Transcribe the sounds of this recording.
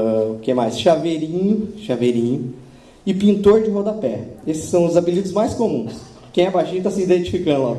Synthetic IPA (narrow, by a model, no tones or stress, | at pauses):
kɛmajsʃaveɾĩɲʊʃaveɾĩɲʊ | ɪpĩnt̪oɾd͡ʒɪvɔd̪ɐpɛesɪ̥sːɐ̃w̃ʊzabilid̪ʊzmajskomũs | kẽj̃ɛbaʃĩɲʊt̪asɪid̪ẽnt͡ʃi̥fikɐ̃nd̪ʊla̰